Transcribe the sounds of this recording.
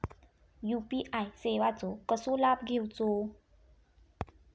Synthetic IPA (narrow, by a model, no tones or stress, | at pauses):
juːpiʔajsewat͡sokɔsulap̚ɡewt͡so